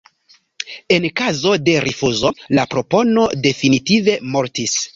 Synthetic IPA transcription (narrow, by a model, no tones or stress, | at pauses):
e̞nkazo̞de̞ɾʔifuzo̞lapɾo̞po̞no̞de̞finitive̞moɾtis